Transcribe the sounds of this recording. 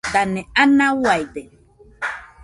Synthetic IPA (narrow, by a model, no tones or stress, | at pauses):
danɛanawajdɛ